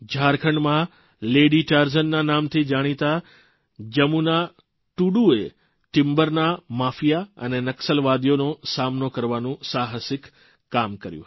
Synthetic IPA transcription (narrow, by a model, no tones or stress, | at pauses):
d͡ʒʱaɾkʰəɳɖmã | leɖiʈaɾzənːanamt̪ʰid͡ʒaɽ̃it̪a | d͡ʒəmuna | ʈuɖue | ʈɪmbəɾnamafijaə̰nenəksəlʋad̪jonosamnokəɾʋanũsaɦəsɪkː | amkəɾjṵ̃